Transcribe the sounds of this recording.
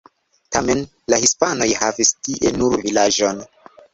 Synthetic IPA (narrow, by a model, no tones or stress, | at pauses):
tame̞n | lahispano̞jhavistiʔe̞nuɾvilad͡ʒo̞n